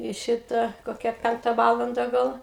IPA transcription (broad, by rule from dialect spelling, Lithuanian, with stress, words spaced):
ɪ ˈʃʲɪtɐ koːˈkʲɛ ˈpʲɛŋktɐ ˈʋɑːlˠɐndɐ ˈɡɐlˠ